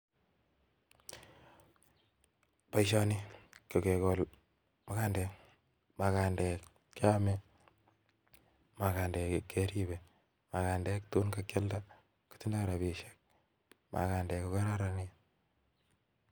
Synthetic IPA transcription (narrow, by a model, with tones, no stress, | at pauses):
pa˦iʃɔ˦ni˦ko˨ke˨ko˨l | ma˦ka˦ndɛ˨k | ma˨ka˨ndɛ˨k | kːa˦mɛ˦ | ma˨kaː˨ndɛ˨kkːe˦ɾibɛ | ma˨ka˨ndɛ˦ktu˦nka˦kje˦lda˦ | ku̥ti˦nda˦ɾa˨βi˨ʃek̚ | mʔa̰˨ka˨ndɛ˨ko˨kɛ˦ɾa˦ɾa˨ni